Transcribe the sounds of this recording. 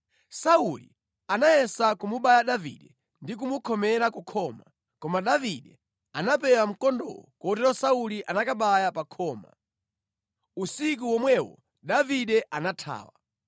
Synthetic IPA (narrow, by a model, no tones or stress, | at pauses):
saulḭ | anajɛsakumuɓajaɗavḭɗɛ | ndik̬umukʰɔmɛɾakukʰɔːma | kɔmaɗaviɗɛ | anapɛwam̩kɔndɔ̰lɔkɔtɛɾɔsauliʔanakaɓajapakʰɔːma̰ | usik̬uwɔmwɛwɔ̰ | ɗaviɗɛʔanatʰa̰ːwa̰